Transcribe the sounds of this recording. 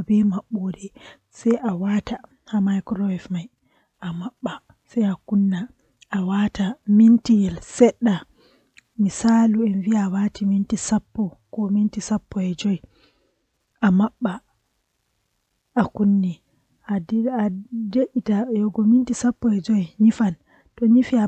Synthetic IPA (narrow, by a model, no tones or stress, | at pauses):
ɔbɛmaɓːodɛ | sajʔawata | hamajkɾɔɛfmaj | ʔamaɓːa | sajakunːa | awatamintijɛlsɛɗːa | misaːluɛnviaːwatʰimintisapːɔkɔmintisapːɔɛd͡ʒɔj | ʔamaɓːa | ʔakunːi | ʔaadeʔitajɔɡɔmintisapːɔɛd͡ʒɔjɲifan | tɔɲifia